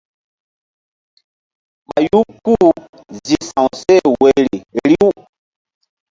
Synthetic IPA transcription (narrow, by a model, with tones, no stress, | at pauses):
ma˨ju˦ku˦˨ | zi˨sã˨wu˨sɛ˦˨we˨ɾi˨ɾi˦w